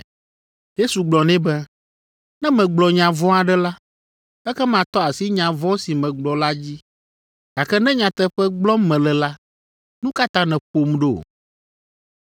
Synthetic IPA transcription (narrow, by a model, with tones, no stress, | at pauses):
je˦su˨ɡ͡blɔ˨nɛ̃˦bɛ˦ | nɛ̃˦mɛ̃˨ɡ͡blɔ˨ɲã˨vɔ̃˦a˨ɖɛ˦la˦ | ɛ˦kɛ˦mã˨t̪ɔ˦a˨si˦ɲã˨vɔ̃˦si˨mɛ̃˨ɡ͡blɔ˨la˦d͡ʑi˦ | ɡ̪̥a˨kɛ˦nɛ̃˦ɲã˨t̪ɛ˦ɸɛ˦ɡ͡blɔ˦mɛ̃˨lɛ˨la˦ | nũ˦ka˦t̪ã˦nɛ̃˨ɸo˨mɖo̰˦˨